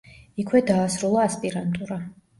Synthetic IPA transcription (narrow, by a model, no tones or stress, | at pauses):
ikʰwɛd̪aːsɾulˠaːspʼiɾant̪ʼuɾa